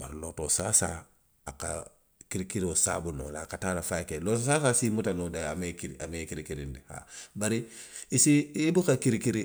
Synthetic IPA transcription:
ba̰ɾlotosaːsa | aka̰ | kiɾikiɾiosa̰ːbuno̰lakataːɾafajkelotosasaːsimutanodaamekiɾiʔamekiɾikiɾḭndiha̰baɾiisiibukakiɾikiɾi

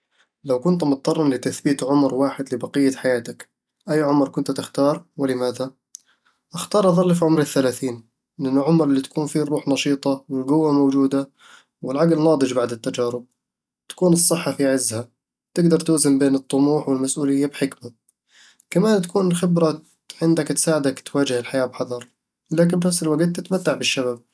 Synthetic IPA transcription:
lawkʊnt̪mʊt̪̚t̪ːɑrˤːɑnlɪt̪aθbiːt̪ʕʊmɾwaːħɪd̪lɪbɑqɪjːaħajaːt̪ak | ʔajːʕʊmɾkʊnt̪t̪ɪxt̪ɑːɾˤwɪlɪmaːða | ʔaxt̪ɑːɾˤʔɑðˤɑlːfiʕʊmɾɪθːalaːθiːn | lʔɪnːʊʕʊmɾɪlːit̪ḁkuːnfiːɾˤːuːħnɑʃiːt̪ˤɑwɪlɡʊwːamoːd͡ʒuːd̪a | wɪlʕaɡlnɑːd̪ˤɨd͡ʒbaʕd̪ɪt̪ːad͡ʒaːɾɪb̚ | t̪ḁkuːnɨsˤːɨħːafiʕɪzːha | t̪ɪɡd̪ɑɾˤt̪uːzɪmbeːnɨt̪ˤːʊmuːħwɪlmasʔuːlɪjːabħɪkma | kamaːnt̪ḁkuːnxɪbɾa | ʕɪnd̪akt̪saːʕɪd̪akt̪waːd͡ʒɪhɪlħajaːbħɑðˤɑɾˤ | laːk̬ɪnbɪnafsɪlwaɡt̪ːɪt̪mat̪ːaʕbɪʃːaβab̚

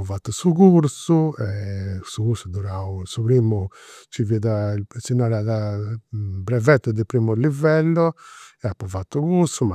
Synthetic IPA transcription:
vat̪ːusuɣuɾsuɛsuɣuɾsud̪uɾausupɾiːmut͡ʃiviðasinaɾaða | bɾɛvɛt̪ːʊd̪ipɾiːmulivɛlːɔɛapːuvat̪ːukuɾsuma

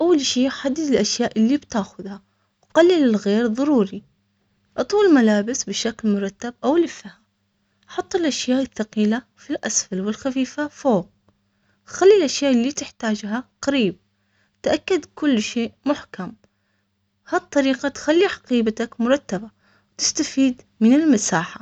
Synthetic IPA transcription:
ʔawːalʃiːħad̪ːɪd̪ɪlʔaʃjaːʔɪlːibt̪aːxʊðha | wqalːilɪlɣeːɾðˤɑɾˤuːɾi | ʔɑt̪ˤuːlmalaːbɪsbɪʃaklmʊɾˤɑt̪ːabʔawlɪfaham | ʔħɑt̪ˤːɪlʔaʃjaːʔɪθːɑqiːla | filʔasfalwɪlxafiːfafoːɣ | xalːilʔaʃjaːʔlːit̪ɪħt̪aːd͡ʒɦaqaɾiːb̚ | t̪ʔakːad̪kʊlːʃeːʔmʊħkam | hat̪ˤːɑɾiːqat̪xalːiħɑ̥qiːbat̪akmʊɾˤɑt̪ːaba | wt̪ɪ̥st̪afiːd̪ | mɪnɪlmasaːħa

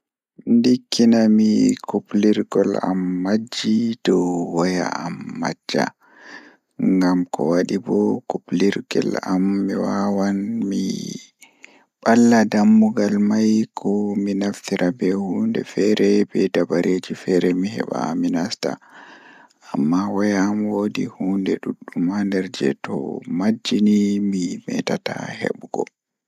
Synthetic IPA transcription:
ndikʰːinamikʰupliɾɡɔla̰mːad͡ʒːidɔwɔja̰amːad͡ʒːa̰ | ŋɡamkɔ̰waɗibɔkupliɾɡɛ̰lamːiwawanmi | ɓalːadamːuɡalmajkʰɔminaftiɾʔabɛhuːndɛfɛɾɛbɛdabaɾʔed͡ʒifɛɾɛmihɛ̰ɓa̰minasta̰ | amːawɛjamwodihuːndɛɗuɗːumandɛɾd͡ʒɛ̰tɔ̰mad͡ʒːinimimɛ̰tatahḛɓɡ̥ɔ

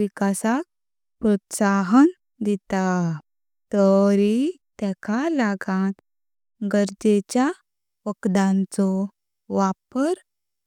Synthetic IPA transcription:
ʋikasak̚ | pɾɔt̪saɦən | d̪it̪a | t̪əɾi | t̪ɛkʰalaɡãt̪ | ɡəɾd͡ʑet͡ɕja | ʋəkd̪ãnt͡sɔ | ʋapəɾ

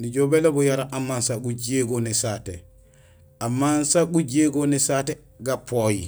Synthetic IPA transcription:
nid͡ʒobɛlabɔjaɾaʔamːansaɡud͡ʒeɡonisatɛ | amːansaɡud͡ʒeɡonisatɛ | ɡapɔjḭ

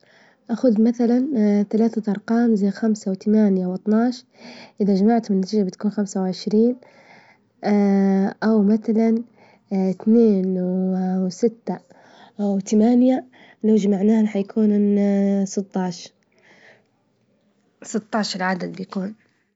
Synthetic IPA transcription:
ʔaxʊd̪maθalanθalaːθaʔɑɾˤqɑːmzajːxamsawt̪amaːnjawʔɑt̪ˤnɑʕʃ | ʔɪðad͡ʒamaʕt̪ʊmɪnːat̪iːd͡ʒabɪt̪kuːnxamsawʕɪʃɾiːn | ʔawmaθalan | t̪neːnwwsɪt̪ːa | wt̪amaːnja | lawd͡ʒamaʕnaːhħajakʰuːn | sˤɨt̪ˤːɑːʃ | sˤɨt̪ˤːɑːʃɑɾˤʕad̪ad̪̚bjakuːn

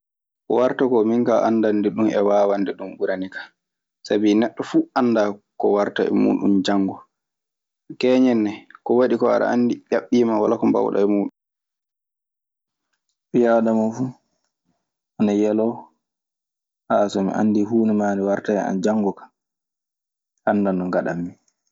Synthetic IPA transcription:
kɔwaɾtakɔmiŋkaʔanːdandɛɗumʔɛwaːwandɛɗumɓuɾanikḁ | sabinɛɗːɔfuanːdakɔwaɾta̰ɛ̰mṵːɗṵmd͡ʒaŋːɡɔ | kɛːɲɛnːɛkɔwaɗikɔa̰ɗa̰andiɗʲaɓːiːmawa̰lakɔmba̰wɗa̰ɛmuːɗum | ɓijawɗamafu | ʔanajɛlɔ | hasɔmḭʔa̰nːdiɦuːnɛmaːniwaɾtaɛa̰nd͡ʒaŋɡɔkḁ | ʔanːdandɔŋɡaɗamːi

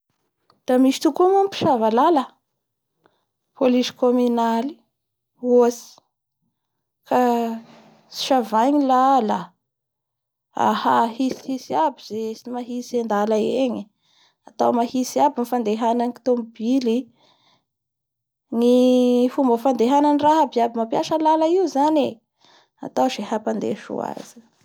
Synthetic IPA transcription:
d̪̥amisi̥t̪ukumumpi̥ʃavalalə | polisi̥komynali̥ | oasi̥ | ka | si̥ʃavajɲilala | a̰hahisihisiabizesimaɦisend̪alaeɲi | at̪awmahisiabinifand̪eɦananiki̥t̪ombili | nifumbəfand̪eɦananiraɦabiabimapjaʃəlalaiuzane | a̰t̪awzeɦapand̪ḛʃṵa̰z̥i̥

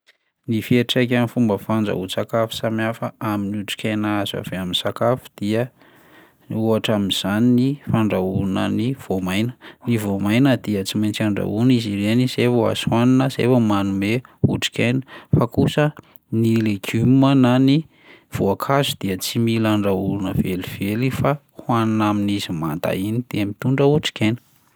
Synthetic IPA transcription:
nifieʈ͡ʂakʲanifumbəfand͡zə̰ut͡sakafu̥samjafəaminiuʈ͡ʂi̥kʲajnaaza̰veaminsakafu̥d̪̥iə | uaʈ͡ʂamiz̥aninifaɳɖ͡ʐaunə̰niv̥omajnə̥nivomajnəd̪iət͡simajnt͡saɳɖ͡ʐa̰unizirenizefua̰swaninəzḛfəmanumeṵʈ͡ʂi̥kʲajnə̥fakusə | nileɡymənani | v̥oakʰazud̪̥iət͡similaɳɖ͡ʐaulunəveliv̥elifa | hwannaminizimant̪a̰inid̪̥eəmit̪uɳɖ͡ʐəuʈ͡ʂi̥kʲajnə̥

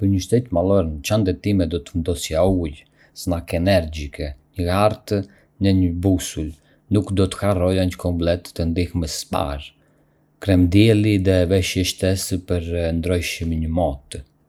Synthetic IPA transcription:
pəɾɲəʃt̪ɛt̪malˠɔɾənt͡ʃand̪ɛt̪imɛd̪ɔt̪ənd̪ɔsiauj | snakɛnɛɾd͡ʑikʰɛɲəaɾt̪ | nəɲəbusul | nukd̪ɔt̪ə̥harɔjaɲəkɔmplɛt̪ːənd̪ixməsspa̰ɾ | kɾɛmd̪jɛliðɛvɛʃjɛʃt̪ɛspəɾnd̪ɾɔjʃimiɲəmɔt̪

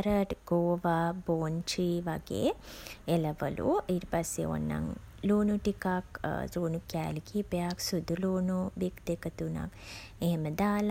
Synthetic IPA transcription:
ɾəʈɡ̥oːʋaboːnt͡ʃiʋɐɡḛelɐʋɐ̰lṵiɾpɐsːḛo̰nːa̰ŋ | luːnuʈikakzuːnukja̰ːlikiːpejaksud̪ʱːuluːnubikd̪ekɐt̪una̰keɦeməd̪aːl

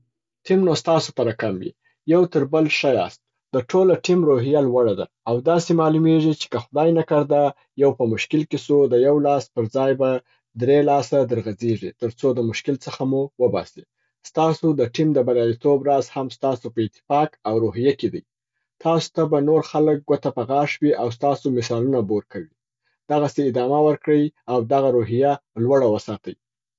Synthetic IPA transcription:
ʈimnost̪ɑsopaɾakamwḭ | jawt̪əɾbəlʃajɑ̰st̪̚ | d̪̥əʈʰolaʈimɾoɦijalwaɽad̪a̰ːwd̪ɑsemɑlumeʐit͡ʃe̥kəxʊd̪ɑjnakaɾd̪a | jawpəmʊʃkɪlkesud̪əjawlɑspəɾd͡zɑjba | d̪ɾelɑsad̪əɾɣad͡zeʐit̪əɾt͡sod̪əmʊʃkɪlt͡səxamuwəbɑ̰si | st̪ɑsod̪əʈimd̪əbalɑlit̪obɾazhamst̪ɑsopəɪt̪ːɪ̥fɑkawɾoɦijaked̪ə̰j | t̪ʰɑso̥t̪abanoɾxalək̚ɡwot̪apaɣɑʃwiʔawst̪ɑsomɪsɑlunaboɾkawi | d̪̥aɣaseɪd̪ɑmawəɾkɽəjawd̪aɣaɾoɦijalwaɽawəsɑt̪əj

